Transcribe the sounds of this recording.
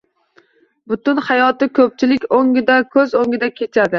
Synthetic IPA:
bʊt̪ʊnhajɒt̪ɪkʰɵp̚t͡ʃʰɪlɪkʲoŋʲɪd̪akʲʰɵzoŋʲɪd̪akʲʰet͡ʃʰad̪ɪ

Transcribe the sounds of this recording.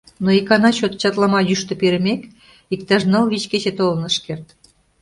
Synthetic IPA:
noikɑnɑɕot̪t͡ɕɑt̪lˠɑmɑjyʃt̪ɤ̆peɾɘ̆mʲek | ikt̪ɑʒnɤlˠβʲit͡ɕket͡ɕet̪olˠɤ̆nə̆ʃkert̪

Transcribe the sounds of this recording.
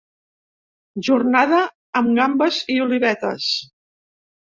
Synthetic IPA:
ʒurnaðəː | mɡambəziuliβɛt̪ə̰s

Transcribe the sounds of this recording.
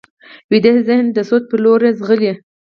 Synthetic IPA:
wid̪ehzɪhnd̪əsot̪̚pəloɾezɣəli

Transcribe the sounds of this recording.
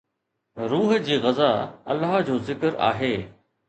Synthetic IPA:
ɾuːɦd͡ʑiːɣɐzaːɐ̰lːaɦd͡ʑoːzɪkəɾa̰ːɦeː

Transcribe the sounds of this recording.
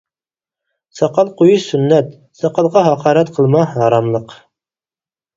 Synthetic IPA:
sɑqɑlˠqujɤʃsɵnːæt̪ | sɑqɑlˠʁɑɦɑqɑɾæt̪qʰɤ̆lˠmɑnɑɾɑmlˠɤq

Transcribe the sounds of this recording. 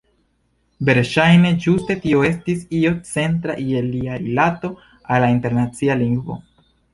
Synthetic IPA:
be̞ɾʃajne̞d͡ʒuste̞tio̞e̞stisio̞t͡se̞ntɾa̰ʔie̞liaɾilato̞ | alːainte̞ɾnat͡sialiŋɡvo̞̰

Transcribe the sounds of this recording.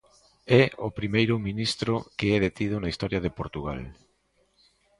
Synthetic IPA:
ɛopɾimejɾʊminist̪ɾʊkeɛðet̪iðʊnɐist̪ɔɾjɐðɪpoɾt̪uɣa̰l

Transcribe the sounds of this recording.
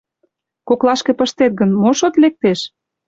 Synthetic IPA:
koklɑʃkepəʃt̪et̪̚ɡənmoʃot̪lek̚t̪eʃ

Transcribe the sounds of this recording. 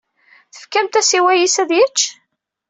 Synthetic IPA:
θə̥fkæmt̪æsiwæjisæðjət͡ʃː

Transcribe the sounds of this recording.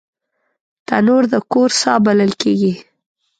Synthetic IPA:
t̪anoɾd̪əkoɾsɑ̰baləlkeɡi

